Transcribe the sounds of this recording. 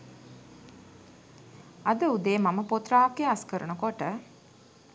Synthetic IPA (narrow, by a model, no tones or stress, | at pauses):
ɐd̪əud̪eːmaməpot̪raːkːeɐskəɾənukoʈə